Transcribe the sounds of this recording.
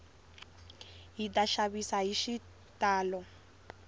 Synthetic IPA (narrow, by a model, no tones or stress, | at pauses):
ɦitaʃabisaɦiʃi | tʼaːlɔ